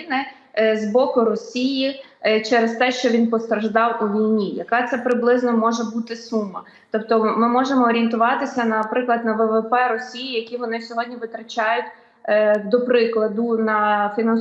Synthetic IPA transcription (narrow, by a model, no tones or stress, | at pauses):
nɪ | zbɔkʊɾɔsʲiji | t͡ʃɛɾɛst̪ɛʃt͡ʃɔʋʲinpɔst̪ɾɐʒd̪ɑwuʋʲijnʲijɐkɑt̪sɛpɾɪblˠɪznɔmɔʒɛbut̪ɪsumːɐ | t̪ɔpt̪ɔmɪmɔʒemɔːɾʲiint̪ʊʋɑt̪ɪsʲɐnɐpɾɪklˠɐd̪nɐʋɛʋɛpɛɾɔsʲijijɐkʲiʋɔnɪsʲɔɦɔdʲnʲiʋɪt̪ɾɐt͡ʃʲɑjʊtʲː | d̪ɔpɾɪklˠɐd̪ʊnɐfʲinɐn